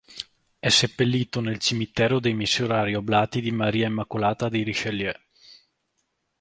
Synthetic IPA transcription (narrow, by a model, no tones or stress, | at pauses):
ɛsepːelːiːt̪onelt͡ʃimit̪ɛːɾod̪ejmisːoɾaːɾioblaːt̪id̪imaɾiːaimːakolaːt̪ad̪ejɾiʃelːjɛ